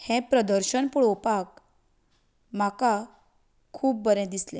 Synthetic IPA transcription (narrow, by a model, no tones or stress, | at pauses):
hẽpɾəd̪əɾɕənpuɭopak | m̤aka | kʰːuːp̚bəɾɛ̃d̪islḛ̃